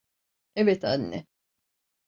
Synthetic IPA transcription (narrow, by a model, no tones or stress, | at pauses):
evɛt̪ʰanːɛ̰